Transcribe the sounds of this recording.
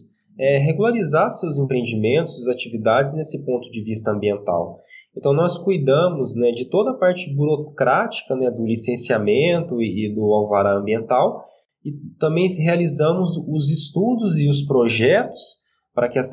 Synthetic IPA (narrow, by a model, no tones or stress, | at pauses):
ɛɦeɡulaɾizasewzẽpɾẽẽnd͡ʒimẽnt̪ʊsuɐzat͡ʃivid̪ad͡ʒɪznesɪpõnt̪ʊd͡ʒɪvist̪ɐɐ̃mbiẽnt̪a̰wẽnt̪ɐ̃w̃nɔskujd̪ɐ̃mʊznɛd͡ʒɪt̪od̪ɐpaɾt͡ʃɪbuɾokɾʔat͡ʃi̥kɐnɛd̪ʊlisẽsiamẽnt̪ʊɪɪd̪ʊawvaɾaɐ̃mbiẽnt̪aw | ɪt̪ɐ̃mbẽj̃ɦealizɐ̃mʊzʊzɪst̪ud̪ʊzɪʊspɾoʒɛt̪ʊ̥s | pɾɐkɪɛs